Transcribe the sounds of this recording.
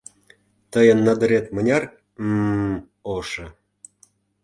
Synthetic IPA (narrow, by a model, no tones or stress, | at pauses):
t̪əjənːɑd̪ə̆ɾet̪mə̆nʲɑr | oʃɤ̆